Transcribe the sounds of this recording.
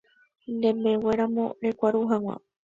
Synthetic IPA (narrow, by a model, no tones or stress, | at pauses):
nd̪ẽ̞me̞we̞ɾamõ̞̰ɾe̞kʷaɾuɦawʷa̰